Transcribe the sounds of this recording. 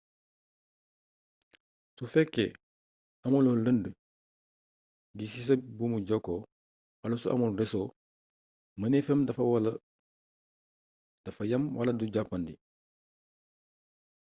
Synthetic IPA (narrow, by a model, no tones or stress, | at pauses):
sufɛkːḛ | ɐmuloləndə | ɡisis̬ɐbumuɟɔkːo | ɐlusuʔɐ̰mulɾɛsoː | mɐnefɛmdɐfɐwalɐ | d̥ɐfɐjɐmwɐlɐduɟapːɐndi